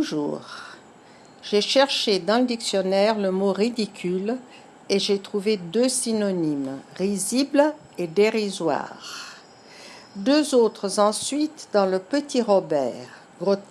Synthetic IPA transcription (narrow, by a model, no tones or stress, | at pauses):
uʒṵːʁ | ʒ̥eʃɛʁʃed̪ɑ̃ləd̪iksjɔnɛʁləmoʁid̪ikʲʰyl | eʒet̪χuved̪øsinɔnimʁizibl | ed̪eʁizwa̰ʁ | d̪øzot̪χəzɑ̃sɥit̪d̪ɑ̃ləpət̪iʁɔbɛ̰ʁ | ɡʁo